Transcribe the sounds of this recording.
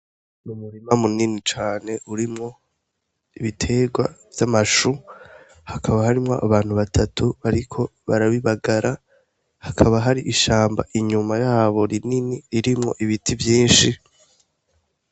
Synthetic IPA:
numuɾimamuninit͡ʃaːne̞ʔuɾimŋo̞ | iβitʰe̞ːɡwa̰v̥jamaʃu | hakʰaβaɦaɾimŋoʔa̰βaːn̥huβatʰatʰuβaɾikʰo̞βaɾaβiβaɡaɾa | hakʰaβaɦaɾiʔiʃaːmba̰ʔiɲumajaːβo̞ɾininiiɾimŋo̞̰ʔiβitʰivjiːnʃi

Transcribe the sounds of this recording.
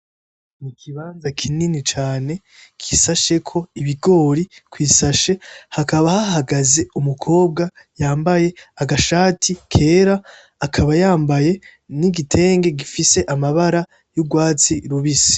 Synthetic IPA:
mukʰiβaːnzakʰininit͡ʃaːne̞ | kʰisaʃe̞kʰo̞iβiɡo̞ːɾikwiːsaʃe̞hakaβahahaɡaze̞umukʰo̞ːb̚ɡa | jaːmbaje̞aɡaʃaːtʰikʰe̞ːɾaː | kʰaβajaːmbaje̞niɡitʰe̞ːŋɡe̞ɡifise̞ʔamaβaɾa | juɡwaːt͡siɾuβisi̥

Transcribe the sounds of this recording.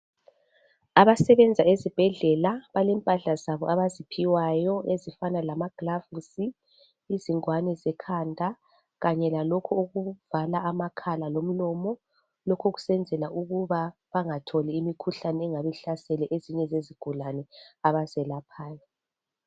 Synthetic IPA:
aβasɛβɛnd͡zʱaezib̥ʱɛɮɛlaβalɛmpʼaɬazaβɔʔaβazipʰiwajɔezifanalamaɡ̥lavusiː | ziŋwanɛzɛkʰandʱa | ɣaɲɛlalokʰɔoɣuvalaʔamakʰalalom̩lɔmɔ | lokʰoɣu̥sɛnd͡zʱɛlaʔuɣuβa | βaŋatʰɔlɛimikʰuɬanɛɛŋaβɛɬasɛlɛʔeziɲɛzeziɡ̥ʱulanɛaβazɛlapʰaːjɔ

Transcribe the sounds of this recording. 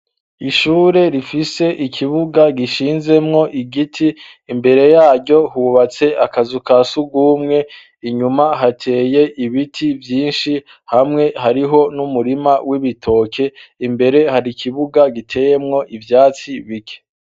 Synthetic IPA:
iʃuːɾe̞ɾifise̞ʔikʰiβuɡaɡiʃiːnze̞mŋo̞ʔiɡitʰiː | mbe̞ɾe̞jaːɟo̞huβat͡se̞akazukasuɡuːmŋe̞ | iɲumaɦatʰe̞ːje̞ʔiβitʰivjiːnʃi | hamŋe̞haɾiɦo̞numuɾimawʔiβitʰo̞kʰe̞imbe̞ɾe̞haɾikʰiβuɡaɡitʰe̞je̞mŋo̞ʔivjaːt͡siβikʰe̥

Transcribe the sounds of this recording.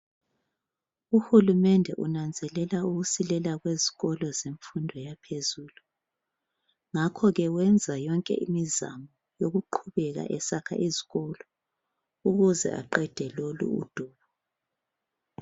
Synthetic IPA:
uxulumɛndʱɛʔunand͡zʱɛlɛlauɣusilɛlaɣweziɣɔlɔzeɱfundʱɔjapʰezuːlu | ŋakʰɔɣɛwɛnd͡zʱajɔŋkʼɛ̰ʔḭmiza̰mɔ | joɣuǃʰuβɛɣa̰ʔɛsakʰa̰ʔeziɣɔlɔ | uɣuzɛ̰ʔa̰ǃɛd̥ʱɛlolṵṵd̥ʱuːβɔ

